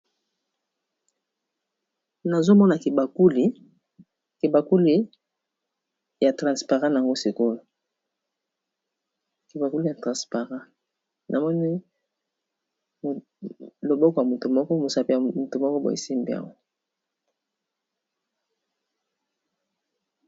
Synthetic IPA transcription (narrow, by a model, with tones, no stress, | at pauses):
na˨zo˦mɔ˦na˨ki˨ba˨ku˦li˦ | ke˨ba˨ku˦li˦ | ja˨tʁã˨spa˨ʁɑ̃˦na˨a˨ŋɡo˦si˨ko˦lo˨ | ki˨ba˨ku˦li˦ja˨tʁã˨spa˨ʁã˦ | nʔa˨mɔ˦ni˦ | m˨ | lo˨bɔ˦kɔ˨ja˨mo˨to˨mɔ˦kɔ˦mo˨sa˨pi˦˨a˨mo˨to˨mɔ˦kɔ˦bo̰˨ḭ˨si˦mbḛ˨a̰˨wa˦